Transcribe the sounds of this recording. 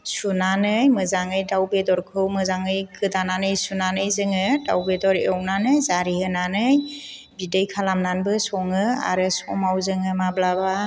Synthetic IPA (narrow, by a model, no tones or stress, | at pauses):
sunanɯjmɯzaŋɯjdawbedɔɾkʰɯwmɯzaŋɯjkɯdananɯjsunanɯjzɯŋɯda̰wbedɔɾeɔwnanɯjzaɾihɯnanɯj | bidɯjkʰalamnanbɯsɔŋɯa̰ɾɯsɔmawzɯŋɯmablaba